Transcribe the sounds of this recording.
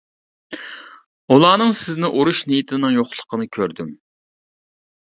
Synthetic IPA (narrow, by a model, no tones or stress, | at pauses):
ulˠɑːnɨŋsɪznɪʔuɾuʃnijit̪ʰɪnɨŋjoχlˠə̥qʰənɨkʲʰøɾd̪ym